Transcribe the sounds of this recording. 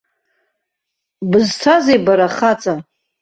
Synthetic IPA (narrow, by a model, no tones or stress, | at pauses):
bɨztʰazejbaɾaχat͡sʼa